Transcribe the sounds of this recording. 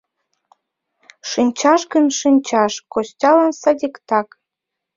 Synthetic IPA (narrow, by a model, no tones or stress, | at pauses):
ʃɨnʲt͡ɕɑʃɡənʃɨnʲt͡ɕɑʃkostʲɑlɑnsɑdʲikt̪ɑk